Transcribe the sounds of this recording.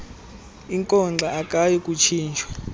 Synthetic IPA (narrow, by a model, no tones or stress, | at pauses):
iŋkʼɔŋ͡ǀʱaakʼajɔkʼut͡ʃʰiːnt͡ʃʰʼwa